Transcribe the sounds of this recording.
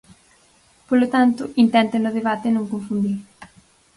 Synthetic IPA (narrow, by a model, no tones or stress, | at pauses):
polot̪ant̪ʊʔint̪ɛnt̪enʊðeβat̪enõŋkõɱfund̪iɾ